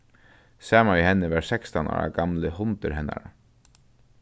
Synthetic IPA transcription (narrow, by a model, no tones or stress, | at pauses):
sɛːmanʋihɛnːəʋaɾsɛkst̪ana̰ːɾa̰ɡamləhʊnt̪əɾɦɛnːa̰ɾa